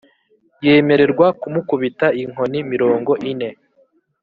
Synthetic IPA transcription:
je̞ːme̞ɾe̞ɾɡwakumukuβitaiŋ̥o̞nimiɾo̞ːŋɡo̞ʔine̞

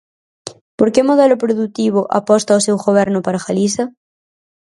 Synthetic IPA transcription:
poɾkemoðɛlʊpɾoðut̪iβʊʔa̰pɔst̪aosewɣoβ̞ɛɾnʊpaɾaxalisɐ

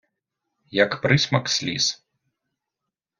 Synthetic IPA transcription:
jɐkpɾɨsʲmɐksʲlʲḭs

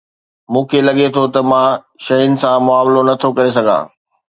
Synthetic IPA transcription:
mũːkʰelɐɠet̪ʰot̪ɐmãː | ʃɐɦɪnɪ̆sãmʊaːmlonɐt̪ʰokɐɾes̬ɐɡʱã̰ː

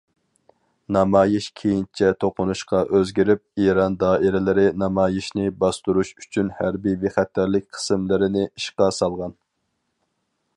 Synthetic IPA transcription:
nɑmɑːjiʃkʲʰejint͡ʃʰɛt̪ʰoqʊnuʃqɑʔøzɡʲiɾɪp̚iɾɑnd̪ɑːʔiɾɪlɪɾɪnɑmɑːjiʃnɪbɑst̪uɾuʃy̥t͡ʃʰynhæɾbiveχæt̪ːæɾlɪk̚ʲqʰə̥sɨmlɪɾɪnɪʔiʃqɑsɑlˠʁɑn

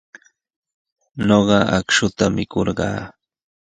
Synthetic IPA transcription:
noɢɑakʃʊt̪amɪkoɾɢɑ̰ː

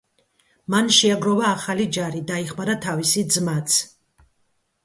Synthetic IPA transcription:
manʃɛaɡɾɔvaːχalid͡ʒaɾid̪aiχmaɾat̪ʰavisid̪zmat̪sʰ

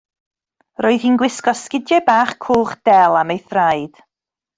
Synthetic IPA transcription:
roɨðinɡwɪskɔskɪdjɛbaːχkʰuːχd̥ɛlˠamejθrajd̥

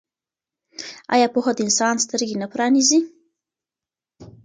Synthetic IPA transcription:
ɑ̰jɑpoxod̪əɪnsɑnst̪əɾɡenapɾɑnizi

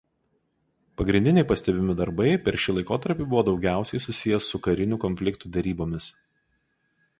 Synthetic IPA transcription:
pɐɡɾʲɪnd̪ʲɪnʲɛɪpɐsʲt̪ʲɛbʲɪmʲɪd̪ɐɾbɐɪpʲɛɾʃʲɪlˠɐɪkoːt̪ɐɾʲpʲiːˑbʊʋoːd̪ɒʊɡʲæˑʊsʲɛɪsʊsʲɪjɛsːʊkɐɾʲɪnʲukɔnʲfʲlʲɪkt̪uːd̪ʲɛɾʲiːboːmʲɪs

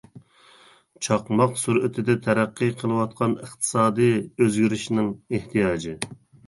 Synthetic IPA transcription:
t͡ʃʰɑqmɑqsuɾɪt̪ʰɪd̪ɛt̪ʰɛɾæqːɨqʰəlˠɨwɑt̪̚qʰɑnəχt̪ʰɨ̥sɑːd̪ɨjøzɡʲyɾɪʃnɪŋeht̪ʰijɑːd͡ʒɨ

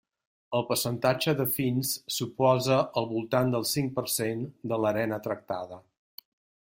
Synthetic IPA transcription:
əlˠpəɾsənt̪ad͡ʒəðəfinsːupɔzəəlˠβulˠt̪and̪əlˠsiŋ̚pəɾsend̪ələɾɛnət̪ɾək̚t̪aðə

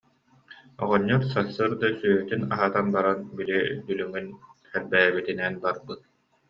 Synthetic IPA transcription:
ɔ̰ʁɔɲːɔɾsasːɯːɾd̪asyːɦyt̪ynaɦat̪anbaɾanbilid̪ylyŋynχɛbːɛːbit̪inɛnbaɾbɯt̪̚

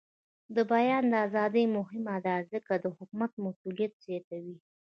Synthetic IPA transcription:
d̪əbajɑnd̪əazɑd̪əjmʊɦɪmad̪azəkad̪əhʊkmat̪̚masulijat̪̚z̥jɑt̪awi

